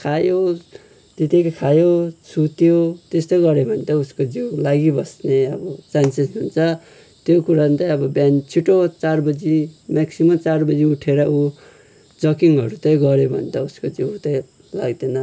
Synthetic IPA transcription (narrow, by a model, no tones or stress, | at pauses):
kʰajo | t̪it̪ekkʰajosut̪jot̪est̪oɡʌɾebʱʌnt̪ʌuskod͡ziwlaɡibʌsneʌbʌt͡sansesnunt͡sʰʌ | t̪jokuɾant̪ʌjʌbʌbjant͡sʰiʈot͡sarbʌd͡zimaksimʌt͡sarbʌd͡ziuʈʰeɾʌu | d͡zʌkiŋʌɾut̪ʌĩɡʌɾebʱʌ̰nt̪ʌuskod͡ziwt̪ʌ̃ĩ | la̰ɡd̪enʌ